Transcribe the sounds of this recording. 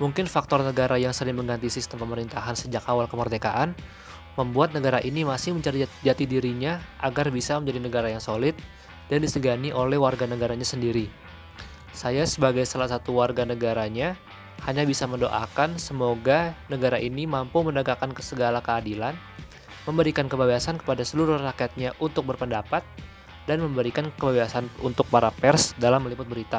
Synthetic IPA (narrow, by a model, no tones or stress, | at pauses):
muŋkɪnfak̚t̪ɔrnəɡaɾajaŋsəɾɪŋməŋɡant̪isist̪əmpəməɾint̪aɦansəd͡ʒakawalkəmərd̪ekaʔan | məmbuat̪̚nəɡaɾaʔinimasɪhməɲt͡ʃaɾid͡ʒat̪idiɾiɲaʔaɡarbisaməɲd͡ʒadinəɡaɾajaŋsolɪt̪̚ | d̥andisəɡaniʔolɛhwarɡanəɡaɾaɲasəndiɾi | sajasəbaɡajsalasat̪uwarɡanəɡaɾaɲa | haɲabisaməndoʔa̰kansəmoɡanəɡaɾaʔinimampumənəɡakankə̥səɡalakəadilan | məmbəɾikankəbabasankə̥padasəluɾʊrakiat̪̚ɲaʔunt̪ʊk̚bərpəndapat̪̚ | danməmbəɾikankəbabasanunt̪ʊk̚paɾapɛrsdalamːəlipʊt̪̚bəɾit̪a